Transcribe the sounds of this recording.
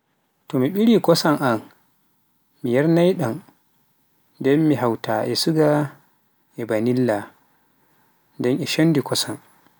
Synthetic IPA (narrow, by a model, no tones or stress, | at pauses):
tɔmiɓiɽikɔsaŋʔan | mijaɾnajɗan | dɛnmiɦawtaʔɛsuɡa | ʔɛbanilːa | dɛnʔɛʃɔndikɔsan